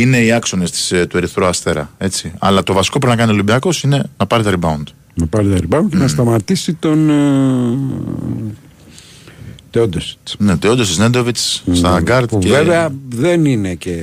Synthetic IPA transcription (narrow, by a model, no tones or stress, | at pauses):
ine̞iɐkso̞nest̪i̥st̪ueɾiθɾoɐst̪e̞ɾɐ̰e̞t͡siɐ̰lɐt̪o̞vɐsi̥kop̬uɾinɐkɐniolibiɐko̞sine̞nɐpɐɾit̪ɐɾibɐund̪̥ | nɐpɐɾit̪ɐɾibɐund̪cenɐst̪ɐmɐt̪isit̪o̞n | t̪eod̪osi̥net̪eod̪osisnend̪o̞vit͡sst̪ɐɡɐɾt̪ceeveɐðeninece